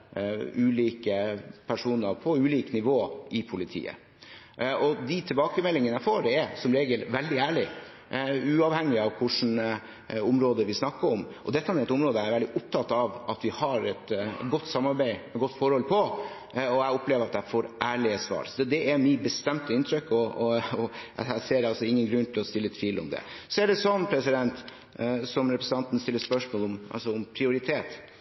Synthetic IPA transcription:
ʉːliːkəpʰæʂuːnəɾpʰɔʉːliːknɪʋoːʔɪpʰʊlɪt̪ʰḭːə̰ | ɔd̪ɪt̪ʰɪlbɑːkəmɛlːɪŋənæɪfoːɾɛsɔmɾeːɡəlʋɛld̪ɪæːɭɪ | ʉːɑʋhɛŋːɪɑʋkʰʊʂn̩ | ʊmɾoːd̪əʋɪsnɑkːəɾɔmʔɔd̪ɛt̪ːɑnɛt̪ʊmɾoːd̪əæɾʋɛld̪ɪʔʊp̚t̪ʰɑt̪ːɑʋʔɑt̪ʋɪhɑɾɛt̪ɡɔt̪ːsɑmːɑɾbæɪmɛɡɔt̪ːfɔɾhɔlpʰɔ | ɔæʊpleːʋəɾɑt̪̚d̪ɛæfoːɾʔæːɭɪəsʋɑ̰ːɾsɔɛd̪ɛʔɛɾmɪbəst̪ɛmt̪əɪnt̪ʰɾʏkːɔɔɔæ̰hæseːɾɑlsɔɪŋːənɡɾʉnt̪ʰɪlɔst̪ɪlːət̪ʰʋiːlɔ̰md̪ɛ̰sɔɛɖɛsɔnːpʰɾɛsɪd̪ɛnt̪ | sɔmɾɛpɾəsn̩ɑnt̪ən̩st̪ɪlːəʂpœʂmoːlɔmʔɑ̰lsɔʊmpʰɾɪʊɾɪt̪ʰeːt̪

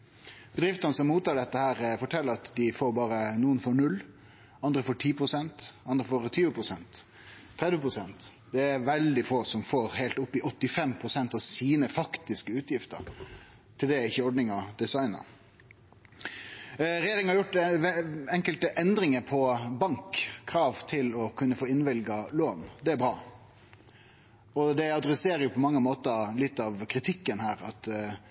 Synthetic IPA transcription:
b̥əd̪ɾɪft̪ənəsɔmːuːt̪ɑːɖɛt̪ːəhæːɾfɔʈʰɛlːəɾɑt̪d̪ɪfoːɾbɑːɾənuːənfɔɾɳʉlː | ɑnd̪ɾəfoːʈʰiːpɾʊsɛnt̪ɑnd̪ɾəfoːɾt̪ʰyːʋəpɾʊsɛnt̪ʰː | ɾɛd̪ʋəpɾʊsɛnt̪ | d̪ɛæɾʋɛld̪ɪfoːsɔmfoːɾheɪlt̪ʊpːɪʔɔt̪ːɪfɛmpʰɾʊsɛnt̪ɑʋsiːnəfɑkt̪ɪskəʉːt̪jɪft̪ə̰ɾ | t̪ʰɪld̪ɛɪçːəɔɖnɪŋɑd̪ɛsɑɪnə̰ɾ | ɾɛjeːɾɪŋnhɑɾjʊʈː | ɛŋkəlt̪əʔɛnd̪ɾɪŋəpʰɔbɑŋkʰːɾɑːʋt̪ʰɪlɔkʰʉnːəfoːɪnʋɪlɡɑloːnd̪ɛæɾbɾɑː | ɔd̪ɛɑd̪ɾɛseːɾəjʊpʰɔmɑŋːəmoːt̪əlɪt̪ːɑʋkʰɾɪt̪ʰɪkːənhæːɾɑt̪

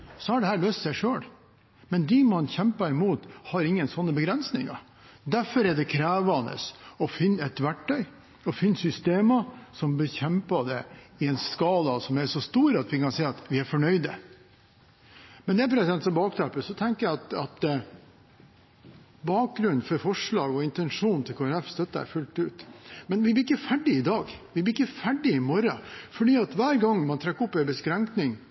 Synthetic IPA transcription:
sɔhɑɖɛhæːɾløːst̪sɛɪʂøːl | mɛnd̪ɪmɑnçɛmpɑɪmuːt̪hɑɾɪŋːənsɔnːəbəɡɾɛnsnɪ̰ŋɑ̰ | d̪æɾfɔɾɛɖɛkʰɾæːʋɑnə̰sɔfɪnːɛt̪ʋæʈʰːœʏ | ɔfɪnːsʏst̪eːmɑsɔmbəçɛmpɑd̪ɛɪɛnskɑːlɑsɔmæɾʂɔst̪uːɾɑt̪ʋɪkɑnsɛɪːɑt̪ʋɪæɾfɔɳœʏd̪ə̰ | mɛnd̪ɛæpɾɛsd̪ɛnsɔmbɑːkt̪ʰɑpəsɔt̪ʰɛŋkəjæɪɑt̪ɑt̪ | bɑːk̚ɡɾʉnːfɔɾfɔʂɭɑːɡɔɪnt̪ɛnʂuːnt̪ʰɪlkʰoːæɾɛfst̪œt̪ːəæ̰ɾfʉlt̪ʉːt̪mɛnʋɪb̪ɪkːəfæɖɪɪd̪ɑːɡʋɪblɪɪkːəfæɖɪɪmɔɾɑfɔɖiːɑt̪ʋæːɾɡɑŋːmɑnt̪ʰɾɛkːɔpːɛɪbəskɾɛŋknɪŋ

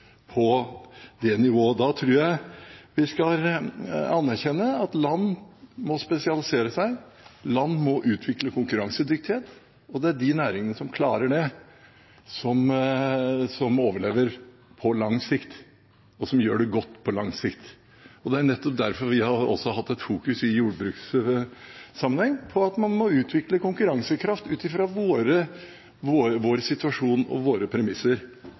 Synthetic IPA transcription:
pʰɔd̪ɛnɪʋoːəd̪ɑt̪ʰɾʉːɾjæɪʋɪskɑl | ɑnːæɾçɛnːəɑt̪lɑnːmɔspɛsɪɑlɪseːɾəsæɪ | lɑnːmɔʔʉːt̪ʰʋɪkləkʰʊŋkʉɾɑŋsəd̪ʏk̚t̪ɪheːt̪ | ɔd̪ɛæɖɪnæːɾɪŋənəsɔmkʰlɑːɾəɖɛ | sɔm | sɔmoːʋəɭeːʋəɾ | pʰɔlɑŋsɪkt̪ | ɔsɔmjøːɖɛɡɔt̪ːpʰɔlɑŋsɪkt̪ | ɔd̪ɛæɾnɛt̪ːɔp̚d̪æɾfɔɾʋɪhɑɾɔ̰sɔɦɑt̪ːɛt̪fuːkʉsɪjuːɖbɾʉːks | sɑmːənhɛŋːpʰɔɑt̪mɑnmɔʉːt̪ʰʋɪkləkʊŋkʉɾɑŋsəkʰɾɑft̪ʉːt̪ɪfɾɑʋoːɾə | ʋoːʋoːɾsɪt̪ʉɑʂuːnɔ̰ʋoːɾəpʰɾɛmɪsːəɾ

